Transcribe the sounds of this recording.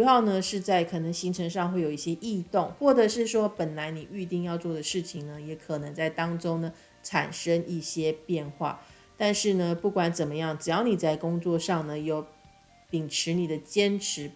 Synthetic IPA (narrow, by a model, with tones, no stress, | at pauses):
ja˥˩ʊnə˨˩ʂɻ̩˥˧t͡sa˥˩ɪkʰɤ˨˩nɤ˧˥ŋɕi˧˥ŋʈ͡ʂʰə˧˥ŋʂɑ˥˧ŋxwe˥˩ɪjo˨˩i˥˩ɕjɛ˥ʔi˥˧t̪ʊ˥˩ŋxwɔ˥˩ʈ͡ʂə˧˦ʂɻ̩˥˩ʂwɔ˥pə˨˩nla˧˥ɪni˨˩y˥˧t̪i˥˧ŋjɑ˥˧ʊt͡swɔ˥˩d̪ə˩ʂɻ̩˥˩t͡ɕʰi˨˩ŋnə˦jɛ˧˥kʰɤ˨˩nə˧˥ŋt͡sa˥˩ɪt̪ɑ˥ŋʈ͡ʂʊ˥ŋnə˨ | ʈ͡ʂʰa̰˨˩nʂə˥ŋi˥˩ɕjɛ˥pjɛ˥˧nxwa̰˥˩ | t̪a˥˧nʂɻ̩˥˩nə˩pu˥˩kwa˨˥nt͡sə˨˩mə˦jɑ˥˩ŋʈ͡ʂɻ̩˨˩jɑ˥˩ʊni˨˩t͡sa˥˩ɪkʊ˥ŋt͡swɔ˥˧ʂɑ˥˩ŋnə˩jo˧˩ʊ | pi˨˩ŋʈ͡ʂʰɻ̩˧˥ni˨˩d̪ə˦t͡ɕjɛ˥nʈ͡ʂʰɻ̩˧˥